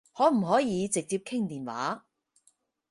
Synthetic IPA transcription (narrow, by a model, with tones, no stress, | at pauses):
hɔː˨˥m̩˨˩ɦɔː˨˥jiː˨˧t͡sɪ˨k̚t͡siː˧p̚kʰɪ˥ŋt̪iː˨nwa̰ː˨˥